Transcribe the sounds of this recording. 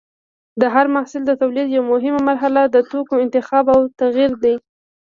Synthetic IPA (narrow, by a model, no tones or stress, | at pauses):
d̪əɦaɾmahsɪld̪ət̪awlid̪jawmʊɦɪmamaɾɦalad̪ət̪okoɪnt̪ɪxɑbawt̪aɣiɾd̪aj